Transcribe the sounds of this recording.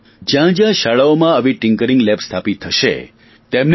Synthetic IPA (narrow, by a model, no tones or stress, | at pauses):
d͡ʒjãd͡ʒjãʃaɭaomãəʋiʈɪ̃ŋkəɾĩŋɡlɛpst̪ʰapit̪ʰːəʃḛ | t̪emn